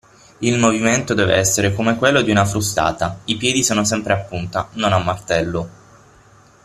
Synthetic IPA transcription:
ilmoviment̪od̪ɛːvḛɛsːeɾekomekwelːod̪iunafɾust̪a̰ːt̪aipjɛːd̪isoːnos̬ɛmpɾeapːunt̪anonamːart̪ɛlːo

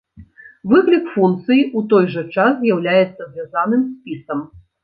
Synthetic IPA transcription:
vɨklʲikfunt̪sɨjiʔut̪ɔjʐɐt͡ʂaszʲjawlʲajɛt̪sːɐzʲvʲazanɨmsʲpʲisɐm

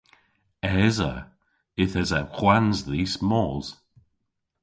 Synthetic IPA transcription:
ɛzə̰ | ɪθɛzaxwanzðiːsmɔːz̥

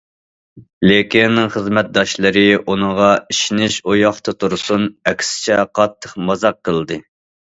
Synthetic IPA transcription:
lekʲinːɪŋχəzmɛt̪̚d̪ɑʃlˠɨɾɨunɨŋʁɑiʃinɪʃojɑχt̪ʰɑt̪ʰuɾsunɛkʲsɪ̥t͡ʃʰɛqʰɑt̪ʰːəχmɑzɑqʰːəlˠd̪ɨ

